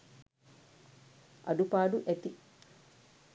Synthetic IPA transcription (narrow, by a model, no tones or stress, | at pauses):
ɐ̰d̪upaːɖuʔet̪i